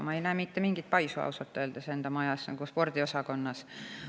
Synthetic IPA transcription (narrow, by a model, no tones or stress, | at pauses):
mɑejnæːmit̪ːemiŋɡ̥it̪̚pɑjsuɑ̰usɑt̪ːˑøːld̪ese̞nd̪̥ɑmɑjɑsnɑ̰ɡ̥uspo̞rd̪̥io̞sɑkonːɑs